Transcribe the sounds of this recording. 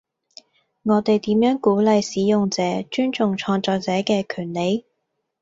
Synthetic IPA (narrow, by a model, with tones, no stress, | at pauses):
ŋɔː˨˧t̪e˨jt̪iː˨˥mjœː˨˥ŋkuː˨˥lɐ˨jsiː˨˥jʊ˨ŋt͡sɛː˨˥t͡ʃyː˥nt͡sʊ˨ŋt͡ʃʰɔː˧ŋt͡sɔː˧k̚t͡sɛː˨˥kɛː˧kʰyː˨˩nle˨˥j